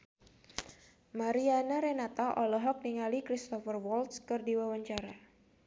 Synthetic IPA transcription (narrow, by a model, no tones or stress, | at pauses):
maɾianaɾɛnat̪aʔɔlɔɦɔk̚niŋalikɾist̪ɔfərwɔlt̪skɨrdiwawaɲt͡ʃaɾa